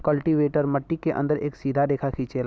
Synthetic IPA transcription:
kəlʈiʋeːʈəɾmɐʈːikeʔə̰̃nd̪əɾḛːksiːd̪ʱad̪eːkʰakʰit͡ʃeːl

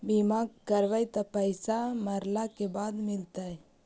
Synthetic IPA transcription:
bimaːɡkəɾʋajt̪apəɪsaməɾlakebaːd̪mɪlt̪aɦɛ

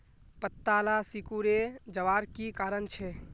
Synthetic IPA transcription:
pət̪ːalasikuɾed͡ʒəʋaːɾkikaːɾənt͡ʃʰɛ

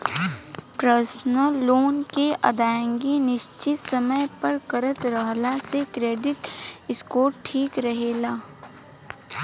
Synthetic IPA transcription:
pɾəsnəɾːoːnkeʔɐ̰d̪aːə̃ŋɡinɪʃt͡ʃɪt̪sɐməjpɐɾkɐɾət̪ɾəɦlasekɾeːɖɪʈɪskoːʈʰːiːkɾɐɦeːlaː

